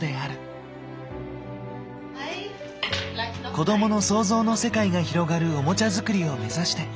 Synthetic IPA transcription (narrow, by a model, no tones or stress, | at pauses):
d̪e̞aɾɯ̟ | ko̞d̪o̞mo̞no̞so̞ːzo̞ːno̞se̞kaiɡaçiɾo̞ɡaɾɯ̟o̞mo̞t͡ɕazɨkɯ̟ɾʲio̞me̞zaɕi̥t̪e̞